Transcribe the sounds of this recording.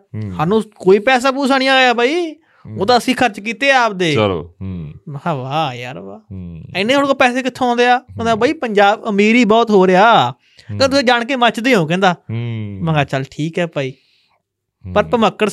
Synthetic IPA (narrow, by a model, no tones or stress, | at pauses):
saːnũːkoːiːpɛːs̬aːpuːsʰaːɽ̃ijãːɡejaːbaːiː | oːd̪aːəsĩːkʰəɾt͡ʃkiːt̪eːaːp̚d̪eːo̰ːmaːʋaːja̰ːɾʋaːɛnẽːɽokaːpɛːseːkɪt̪ʰːõɔ̃ːnd̪eːaːkɛ̃ːnd̪aːbːiːpəɲd͡ʒaːbəmiːɾiːbɔːt̪ɦoːɾeaː | kẽt̪ʊsẽːd͡ʒaːɳkeːmət͡ʃd̪eːõːkɛ̃ːnd̪aːməŋɡaːt͡ʃəlʈʰiːkɦɛːpəːiː | pəɾpəməkːəɾ